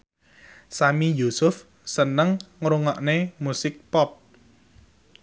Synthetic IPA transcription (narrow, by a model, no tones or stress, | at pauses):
samijusʊf | sənəŋŋɾuŋɔʔnemusɪk̚pɔp̚